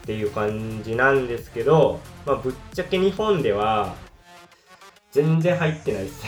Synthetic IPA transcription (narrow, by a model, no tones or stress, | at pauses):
t̪ːe̞jɯ̟ːkãɲd͡ʑinãnd̪e̞sɨ̥ke̞d̪o̞mabɯ̟t͡ɕːakeɲ̟ihõ̞nd̪e̞βa | zẽ̞nd͡zẽ̞ɦait̪ːe̞nai